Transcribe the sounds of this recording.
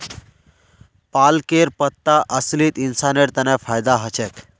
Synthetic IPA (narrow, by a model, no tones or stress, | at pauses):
palkeɾpət̪ːaʔəsliːt̪insaneɽt̪anafajd̪aɦət͡ɕek